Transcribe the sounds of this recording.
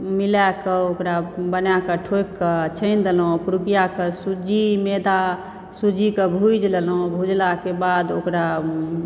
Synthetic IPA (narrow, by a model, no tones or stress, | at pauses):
milakəokɾabənakəʈʰokːət͡ʃʰə̃ɪnd̪elɦõpuɾukijakəsud͡ʒimed̪a | sud͡ʒikebʱud͡ʒlelɦõbʱud͡ʒlakebad̪okɾa